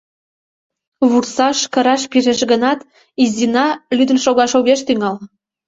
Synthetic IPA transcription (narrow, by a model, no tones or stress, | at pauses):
βursɑʃkə̆ɾɑʃpiɾeʃɣənɑt̪ | izʲinɑlyd̪ə̆nʃoɣɑʃoɣeʃt̪yŋɑl